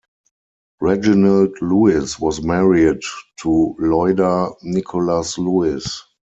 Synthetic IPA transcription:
ɹɛd͡ʒinaldluɪswɔsmɛɹidtʰulɔɪdanɪkʰɔlasluɪs

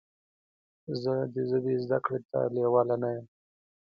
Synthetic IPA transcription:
zəd̪əzəbezd̪a̰kɽet̪ʰa̰lewɑlanajəm

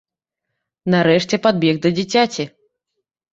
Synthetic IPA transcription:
naɾɛʂt͡sʲɛpad̪̚bʲɛɣd̪ɐd͡zʲit͡sʲat͡sʲi

